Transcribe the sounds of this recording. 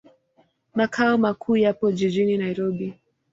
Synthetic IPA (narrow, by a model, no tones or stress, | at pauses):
makʰaɔmakʰuːjapɔʄiʄininaiɾɔɓi